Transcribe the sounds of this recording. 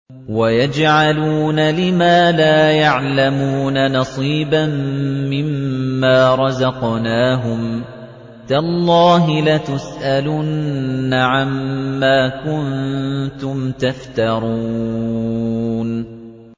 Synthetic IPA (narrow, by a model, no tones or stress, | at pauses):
wajad͡ʒʕaluːnalɪmaːlaːjaʕlamuːnanɑsˤiːbamːɪmːaːɾˤɑzɑqnaːɦʊm | t̪alˤːɑːɦɪlat̪ʊsʔalʊnːaʕamːaːkʊnt̪ʊmt̪aft̪ɑɾˤuː | n